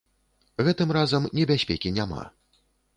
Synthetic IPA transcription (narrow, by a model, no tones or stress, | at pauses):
ɣɛt̪ɨmrazɐmnʲɛbʲasʲpʲɛkʲinʲama̰